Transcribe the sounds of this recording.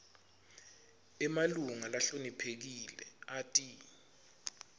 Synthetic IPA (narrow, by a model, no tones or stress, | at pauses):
ɛmaluŋalaɬonipʰek̬ilɛ̰atʼi